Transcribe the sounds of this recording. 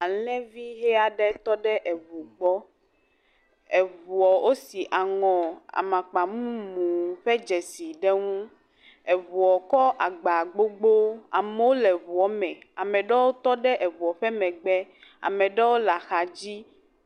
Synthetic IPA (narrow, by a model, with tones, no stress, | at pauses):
a˨lɛ̃˦vi˦ɦɛ˦a˨ɖɛ˦t̪ɔ˦ɖɛ˦ʔɛ˨vu˨ɡ͡bɔ˦ | ɛ˨vu˨ɔ˨wʔo˦si˨ʔa˨ŋɔ̃˨a̰˨mã˨k͡pa˨mũ˦mũ˨ɸɛ˦d͡ʒɛ˨si˨ɖɛ˦ŋũ˦ | ɛ˨βu˨ɔ˨kɔ˦ʔa˨ɡ͡ba˨ɡ͡bo˦ɡ͡bo˦a̰˨mɛ˦wo˦lɛ˨βu˨ɔ˨˦mɛ̃˨a˨mɛ̃˨ɖɛ˦wo˦t̪ɔ˦ɖɛ˦ʔɛ˨vu˨ɔ˨ɸɛ˦mɛ̃˨ɡ͡bɛ˦a̰˨mɛ̃˨ɖɛ˦wo˦la˨xa˨d͡ʑi˦